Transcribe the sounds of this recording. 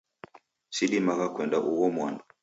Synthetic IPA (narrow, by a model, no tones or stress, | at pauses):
siɗimaɣakwɛndaʔuwɔmwandɔ